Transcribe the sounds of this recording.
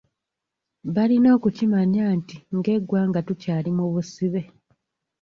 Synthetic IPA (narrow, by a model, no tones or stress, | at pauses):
βalino̞ːkucimaɲaːntiŋɡe̞ɡwaːŋɡatucaːlimuβusiβe̞